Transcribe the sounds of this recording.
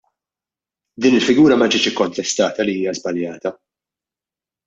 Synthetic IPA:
d̪iːnɪlfɪɡuːɾɐmɐd͡ʒɪːt͡ʃɪkːɔnt̪ɛst̪ɐːt̪ɐliiːjɐzbɐljɐːt̪ɐ

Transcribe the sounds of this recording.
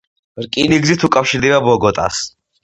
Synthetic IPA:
ɾkʼiniɡzit̪ʰukʼafʃiɾd̪ɛbabɔɡɔt̪ʼa̰s

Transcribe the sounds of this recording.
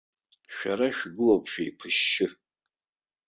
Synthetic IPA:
ʃᶣaɾaʃᶣɡɨlopʰʃᶣaipʰɨʃːɪ

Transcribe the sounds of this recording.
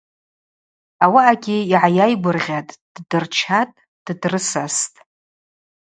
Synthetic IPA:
awaaɡʲɪiʕajajɡʷʊrʁʲatʼd̥dɨrt͡ʃʰatʼ | d̥drɨsastʼ

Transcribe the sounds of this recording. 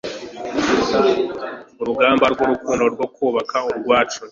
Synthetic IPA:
uɾuɡaːmbaɾɡwoɾukuːnoɾɡo̞kuːβakʰauɾɡwaːt͡ʃu

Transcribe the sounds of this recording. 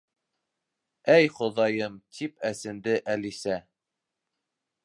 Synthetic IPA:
æjχŏðɑjɤmt̪ʰipæsɘ̆nd̪ɘʔælisæ

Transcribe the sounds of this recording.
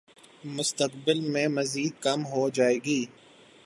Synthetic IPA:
mʊst̪əqbɪlmẽmɐziːd̪̚kɐmɦod͡ʒaːeːɡiː

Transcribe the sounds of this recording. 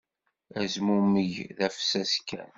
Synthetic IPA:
æzmuməʝðæfsæskːæ̰n

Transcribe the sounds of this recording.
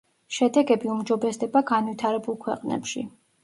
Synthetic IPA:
ʃɛd̪ɛɡɛbiumd͡ʒɔbɛsd̪ɛbaɡanvit̪ʰaɾɛbulˠkʰwɛ̰qʼnɛ̰pʃḭ

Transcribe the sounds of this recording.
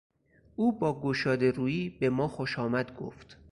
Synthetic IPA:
ʔuːbɒːɡoʃɒːd̪e̞ɾuːjiːbe̞mɒːxoʃɒːmæd̪ɡo̰ft̪

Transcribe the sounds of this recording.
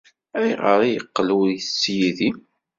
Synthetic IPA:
æjʁə̰ɾˤijəqːlujsːjiði

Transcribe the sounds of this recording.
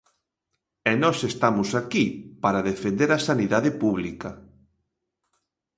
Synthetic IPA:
ɛnɔsest̪amʊsakipaɾaðefend̪eɾasaniðaðepuβlikɐ

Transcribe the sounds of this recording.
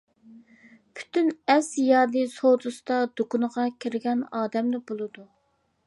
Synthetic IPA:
pʰy̥t̪ʰynɛsjɑːd̪ɨsod̪usd̪ɑd̪̥okunəʁɑkʲʰiɾɪɡʲɛnɑːd̪ɛmnɪbolˠɨd̪u

